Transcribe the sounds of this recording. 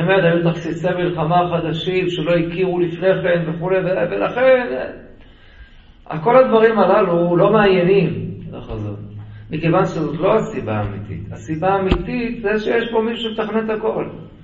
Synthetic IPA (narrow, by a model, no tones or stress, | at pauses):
emet̪ajut̪aχsisemilχamaχad̪aʃimʃelo̞ikiʁulifne̞χe̞nveχule̞jvevela̰χe̞n | a̰ko̞lad̪vaʁimalalulo̞meanenimlaχazo̰tmikevanʃezot̪lo̞asiba̰ːmit̪ḭt̪asibaːmit̪it̪zeʃejeʃpomiʃuʃemet̪aχnet̪ako̞l